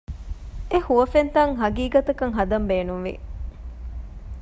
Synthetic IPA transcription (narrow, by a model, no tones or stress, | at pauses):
ehuʋɐfent̪ɐŋɦɐɡiːɡɐt̪ɐkɐŋɦɐd̪ɐmbeːnunʋḭ